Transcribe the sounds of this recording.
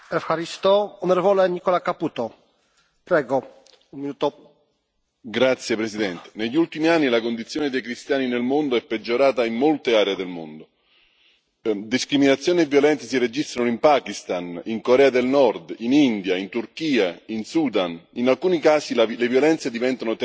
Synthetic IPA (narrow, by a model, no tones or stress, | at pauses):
ɛfxaɾist̪oonoɾɛvoleɲikɔlakaput̪ɔ | pɾɛɡɔ | unminut̪o | ɡɾat̪sːjepɾesid̪ɛnt̪e̥neʎːult̪imianːilakond̪it̪sːjoːned̪ejkɾist̪jaːninelmond̪oɛpːed͡ʒːoɾaːt̪aimːolt̪eaːɾeed̪elmo̰nd̪o | d̪iskɾiminat̪sːjoːnievjolɛnt̪esired͡ʒist̪ɾanoimpaːkist̪aniŋkoɾɛːad̪elnɔrd̪inind̪jaint̪urkiːainsuːd̪aninalkuːnikaːsilevjolɛnt̪sed̪ivɛnt̪anot̪